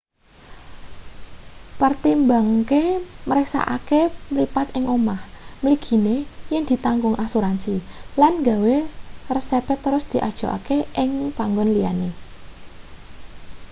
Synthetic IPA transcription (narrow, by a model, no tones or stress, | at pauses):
pərt̪imbaŋkeməɾɛksa̰ʔa̰kemlipat̪ɪŋʔomah | məliɡ̥i̤nejɛŋd̪̥i̤t̪aŋɡʊŋʔasuɾansilanŋɡawerəsepɛt̪ːəɾʊsd̪̥i̤ʔa̰d̥ʒ̥o̤ʔa̰keʔɪŋpaŋɡʊnlijane